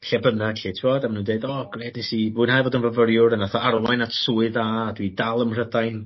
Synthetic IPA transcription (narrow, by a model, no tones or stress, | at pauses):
ɬɛbənaɬetʰɪvoːdamanuːndeɨdɔːɡreːdnesivuɨnhaːjvoːdənvəvəɾjʊɾənaθɔʔarwajnatʰsuːɨðaːdwidalˠəmr̥ədajn